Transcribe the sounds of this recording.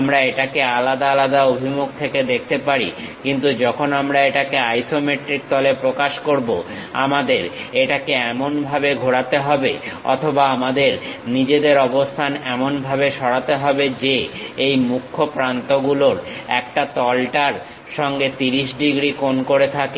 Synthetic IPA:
amɾaeʈakealad̪aalad̪aobʱimuk̚t̪ʰeked̪ek̚ʰt̪epaɾḭkint̪ud͡ʑɔkʰonamɾaeʈakeajsomeʈɾik̚t̪ɔlepɾokaʃkoɾbo̰a̰mad̪eɾeʈakeɛmonbʱabeɡʱoɽat̪eɦɔbeɔ̰t̪ʰobaamad̪eɾnid͡ʑed̪eɾɔbost̪ʰanɛmonbʱabeʃɔɽat̪eɦɔbed͡ʑeejmukʰːopɾant̪oɡuloɾɛk̚ʈat̪ɔlʈaɾ | ʃɔŋɡet̪iɾiʃɖiɡɾikonkoɾet̪ʰake

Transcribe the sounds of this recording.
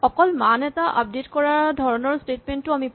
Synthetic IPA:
xɔkɔlmanɛtaʔa̰p̚detkɔɹaɹdʱɔɹɔnɔɹstetmentːʊamip

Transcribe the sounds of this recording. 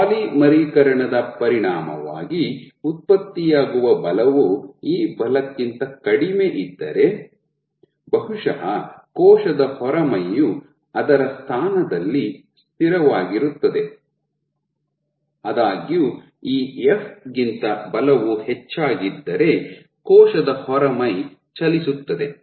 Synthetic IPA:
aːlimɐɾiːkɐɾɐɳɐd̪ɐpɐɾiɳaːmɐ̰ʋa̰ːɡi | ut̪̚pɐt̪ːijaːɡuʋɐbɐlɐʋuiːbɐlɐkːint̪ɐkɐɽime̞ʔid̪ːɐ̰ɾe̞ | bɐɦuʂɐɦɐkɔːʃɐd̪ɐhɔɾɐmɐjːu | ɐd̪ɐɾɐst̪ʰaːnɐd̪ɐlːist̪iɾɐʋaːɡiɾut̪ːɐd̪e̞ | ɐd̪aːɡiju | iːefʰɡint̪ɐbɐlɐʋuhet͡ʃːaːɡid̪ːɐɾe̞ | kɔːʃɐd̪ɐhɔɾɐmɐjt͡ʃɐlisut̪ːɐd̪e̞

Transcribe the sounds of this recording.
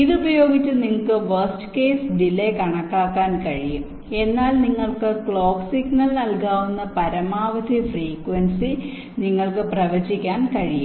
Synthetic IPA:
iðubɐjo̞ːɡit͡ɕːɨniŋːɐkɨʋɐrsʈɨ̥keːsɖilekɐɳɐkːaːkːaːnkɐɻijum | e̞nːaːlniŋːɐɭkɨkɭoːksiɡnɐlnɐlkaːʋunːɐpɐɾɐmaːʋɐd̪ʱifriːkʋɐnsi | niŋːɐɭkɨprɐʋɐt͡ɕːikʲːaːnkɐɻijum

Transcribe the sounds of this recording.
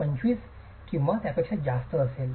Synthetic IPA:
əɲt͡ɕʋiːs | kĩw̃ʋat̪jakəkɕed͡zast̪əːsel

